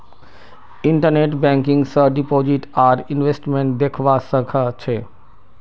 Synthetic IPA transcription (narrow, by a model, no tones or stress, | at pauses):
ɪ̃ɳʈəɾneʈbɛ̃ŋkɪ̃ŋɡsəɖipoːd͡ʒiʈaːɾɪnʋesʈmẽɳʈ̚d̪ekʰʋasəkʰət͡ʃʰeː